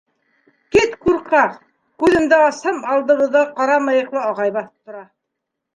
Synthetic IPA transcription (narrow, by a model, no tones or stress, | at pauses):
kit̪kuɾqɑq | kʉðɘ̆md̪æɑshɤmɑlˠd̪ɤ̆βɤ̆ðɑqɑɾɑmɑjɤ̆qlˠɑɑʁɑjbɑθɤ̥p̚t̪ŏɾɑ